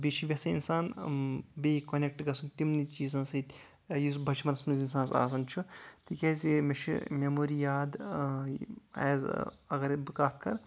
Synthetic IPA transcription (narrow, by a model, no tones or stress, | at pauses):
beʃʰibʲɐsɐḭnsaːn | beːkɐnʲek̚ʈɡɐsunt̪imnit͡ʃiːzãːsɐt̪ʲ | jusbʱɐt͡ʃʰimɐnɐsmɐnzinsaːnsa̰ːs̬ɐnt͡ʃʰut̪iːkʲazimeʃʰḭmʲemoːɾijaːd̪ | a̰ːzɐɡɐɾbikaːt̪̚ʰkɐɾ